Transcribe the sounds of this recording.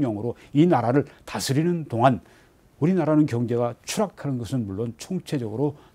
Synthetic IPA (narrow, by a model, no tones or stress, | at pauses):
ɲʌŋɯɾoinaɾaɾɯɭtasʰɯɾinɯndoŋan | uɾinaɾanɯnkjʌŋd͡ʑe̞ɡat͡ɕʰuɾakʰanɯnɡʌsʰɯnmuɭːont͡ɕʰoŋt͡ɕʰe̞d͡ʑʌɡɯɾo